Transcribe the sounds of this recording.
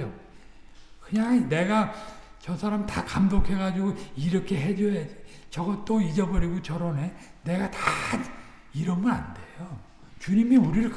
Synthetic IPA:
jo | kɯɲaŋne̞ɡa | t͡ɕʌsʰaɾamitakamdokʰe̞ɣad͡ʑiɡoiɾʌkʰe̞ɦe̞d͡ʑoɦad͡ʑi̥t͡ɕʌɡʌt͈oid͡ʑʌbʌɾiɡot͡ɕʌɾʌne̞ne̞ɡata | iɾʌmɡʌɾa̰nde̞jo | t͡ɕuɲimiuɾiɾɯɭk

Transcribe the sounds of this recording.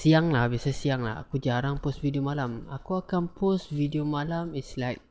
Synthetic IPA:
siaŋlahbiasasiaŋla̰ha̰kud͡ʒaɾaŋpʊstvidiomalama̰kuakanpʊstvidiomalamislajk̚

